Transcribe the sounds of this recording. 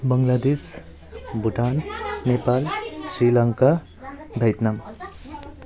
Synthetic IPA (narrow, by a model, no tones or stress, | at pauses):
bʌŋlad̪es | bʱuʈannepalsrilʌŋka | bʱʌjt̪nam